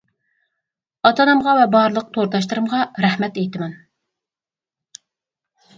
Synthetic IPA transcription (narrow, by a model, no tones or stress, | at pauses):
ɑt̪ɑnɨmʁɑvɛbɑɾlˠəq̚t̪ʰoɾt̪ɑʃ̬t̪ɨɾɨmʁɑɾæhmɛt̪ejt̪ɪmɛn